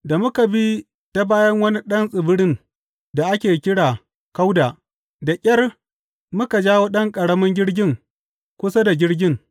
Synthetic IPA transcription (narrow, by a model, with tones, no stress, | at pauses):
da˨mʊ˦ka˨bi˦ | ta˨baː˦jɐ˦ŋwɐ˦ni˦ɗɐ˦nsʼɪ˨bɪ˦ɽɪ˦n | da˨ʔa˦kʲeː˨kʲɪ˦ɽaː˨ | ka˦wdaː˨ | da˨kʲʼɐ˦r | mʊ˦ka˨d͡ʒaː˦woː˦ɗɐ˦ŋkʼɐ˨ɽɐ˦mɐ˦ŋɡʲɪ˦ɽɡʲɪ˦ŋ | kʷʊ˦sa˦da˨ɡʲɪ˦ɽɡʲɪ˦ŋ